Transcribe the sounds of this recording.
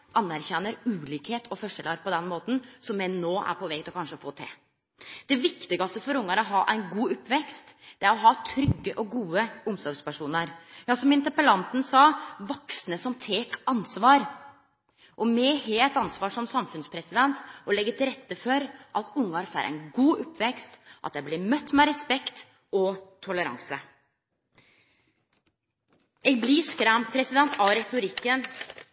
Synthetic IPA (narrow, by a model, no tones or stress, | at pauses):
ʔɑnːæɾçɛnːəɾʉːliːkheːt̪ʰɔfɔʂɛlɑɾpʰɔd̪ɛnmoːt̪n̩sɔmjɛɪnoːʔæ̰ɾpʰɔʋɛːkt̪ɪlɔkʰɑnʂəfoːt̪ʰḛ | d̪̥ɛʋɪkt̪ɪɡɑst̪əfɔɾʊŋːɑɾɔɦɑːʔæɪnɡuːʊpːʋɛkst̪d̪̥ɛæɾɔɦɑːt̪ʰɾʏɡːəʔɔɡuːəʊmsɔɾɡspæʂuːnəɾjɑːsɔmɪnt̪əɾpəlɑnt̪n̩sɑːʋɔksnəsɔmt̪ʰeːkɑnsʋɑːɾ | ʔɔmɛːheːɛt̪ɑnsʋɑːʂɔmsɑmfʉnspʰɾɛsɪd̪ɛnt̪ɔlɛɡːət̪ʰɪlɾɛt̪ːəfɔɾʔɑt̪ʊŋɡɑɾfæ̰ɾʔæ̰ɪnɡuːʔʊpːʋɛkst̪ʔɑ̰t̪jæɪblɪmœt̪ːmɛɾɛspɛkt̪ | ɔt̪ʰʊləɾɑ̰ŋsə | ɛːɡ̚bliskɾæmpʰɾɛsɪd̪ɛnt̪ʰɑɾɛt̪ʊɾɪkːən